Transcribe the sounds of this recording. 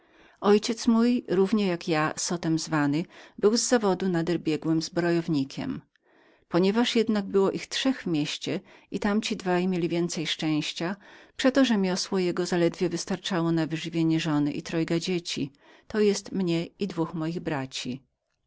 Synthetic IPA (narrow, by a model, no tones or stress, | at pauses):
ɔjt͡ɕɛt̪smujɾuvɲɛjakjasɔt̪ɛmzvanɘbɘwzːavɔd̪unad̪ɛɾbʲjɛɡwɘmzbɾɔjɔvɲikʲʰɛ̰m | pɔɲɛvaʂjɛd̪naɡ̚bɘwɔʔixtʂɛɣvmʲjeɕt͡ɕɛʔit̪amt͡ɕid̪vajmʲjelʲivʲjɛnt̪sɛjʂt͡ʂɛ̃w̃ɕt͡ɕapʂɛt̪ɔʐɛmʲjɔswɔjɛɡɔzalɛd̪vʲjɛvɘst̪aɾt͡ʂawɔnavɘʐɘvʲjeɲɛʐɔnɘ̰ʔḭt̪ɾɔjɡad͡ʑet͡ɕi | t̪ɔjɛst̪mɲɛid̪vuxmɔjiɣbɾat͡ɕi